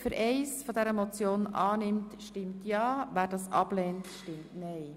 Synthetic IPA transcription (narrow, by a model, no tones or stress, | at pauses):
fʏɾʔɛɪsfodɛɾəmot͡sjoːnʔɑːnɪmtʃtɪmtjɑːʋæːɾdɑːsʔɑ̰b̥lɛːntʃtɪmtnɛɪ